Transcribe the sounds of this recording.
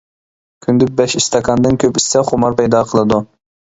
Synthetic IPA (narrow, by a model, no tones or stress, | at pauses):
kʲʰynd̪ɪk̚bɛʃist̪ʰɑkʰɑnd̪ɨnkʲʰøpi̥sɛχʊmɑɾpɛjd̪ɑqʰəlˠɨd̪u